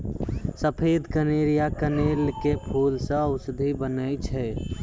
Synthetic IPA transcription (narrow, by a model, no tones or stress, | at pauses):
səpʰed̪ʱkəneɾijakənelkepʰulsə̃əwsəd̪ʱibənəjt͡ʃʰɛ